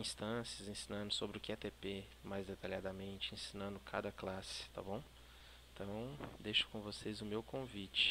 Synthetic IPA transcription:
ĩst̪ɐ̃sjɐzẽsĩnɐ̃nd̪ʊsobɾɪʊkɪat̪epe | majzd̪et̪aʎiad̪ɐmẽnt͡ʃɪẽsĩnɐ̃nd̪ʊkʰa̰d̪ɐklasɪ̥t̪a̰bõw̃ | t̪ʰɐ̃w̃d̪ejʃʊ̥kõvosezʊmewkõvit͡ʃɪ̥

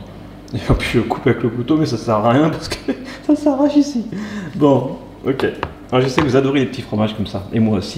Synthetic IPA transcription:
ilfapyəkupavɛkləkut̪omɛsasɛʁjɛ̃paʁsə̥kʰə̥sasɛʁaʒisibɔ̃ | okʲe | aʒəsɛkəvuzad̪ɔʁelepət̪ifχɔmaʒkɔmsaemwaosi

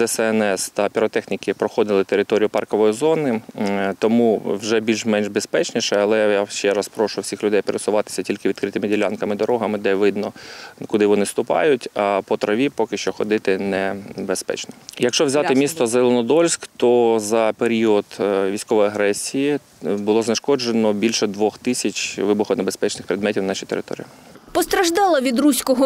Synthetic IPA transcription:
ɛsɛɛnɛst̪ɐpʲiɾɔt̪ɛxnʲikɪpɾɔxɔd̪ɪlˠɪt̪eɾɪt̪ɔɾʲijʊpɑrkɔʋɔjizɔnɪt̪ɔmuwʒɛbʲilʲʒmɛnʒbespɛt͡ʃnʲiʃɛɐlˠɛjaʃt͡ʃɛɾɐspɾɔʃʊjwsʲixlʲʊd̪ɛjpeɾesʊʋɑt̪ɪ̥sʲɐtʲilʲkɪʋʲid̪kɾɪt̪ɪmɪdʲilʲankɐmɪd̪ɔɾɔɦɐmɪd̪ɛʋɪd̪nɔkʊd̪ɪʋɔnɪst̪ʊpɑ̰jʊtʲɐpɔt̪ɾɐʋʲipɔkɪʃt͡ʃɔxɔd̪ɪt̪ɪnɛbespɛ̰t͡ʃnɔjɐkʃt͡ʃɔʋzʲat̪ɪmʲist̪ɔzelˠenɔd̪ɔlʲsʲkt̪ɔzɐpeɾʲiɔd̪ʋʲijsʲkɔʋɔjɐɦɾɛsʲijɪ | bʊlˠɔzneʃkɔd͡ʒenɔbʲilʲʃɛd̪ʋɔxt̪ɪsʲɐt͡ʃʲʋɪbʊxɔnebespɛt͡ʃnɪxpɾʲɪd̪mɛtʲiwnnɑʃʲijt̪eɾɪ̰t̪ɔ̰ɾʲḭipɔst̪ɾɐʒd̪ɑlˠɐʋʲid̪rusʲkɔɦɔ

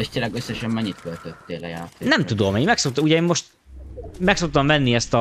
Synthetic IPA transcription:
ɛʃt̪eːlːɛɡøsːɛʃɛmmɛɲːit̪kølt̪øt̪ːeːlɛ̰ja̰ːt̪senɛmt̪ud̪o̞meːɲmɛkso̞kt̪ɒuɟɛeːmmo̞ʃt̪ | mɛkso̞k̚t̪ɒmvɛnːiɛst̪ɒ

